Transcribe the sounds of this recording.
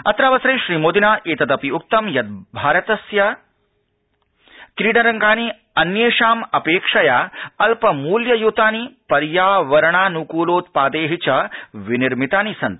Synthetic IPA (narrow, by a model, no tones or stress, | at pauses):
ɐt̪ɾaːʋɐsɾeːʃɾiːmoːd̪inaːʔeːt̪ɐd̪ɐpiuk̚t̪ɐmjɐt̪̚bʱaːɾɐt̪ɐsjɐ | kɾiːɖɐɾɐŋɡaːni | ɐnjeːʃaːmɐpeːkʂɐjaːɐlpɐmuːljɐjuːt̪aːnipɐɾjaːʋɐɾɐɳaːnukuːloːt̪paːd̪eːɦit͡ʃɐʋiniɾmit̪aːnisɐnt̪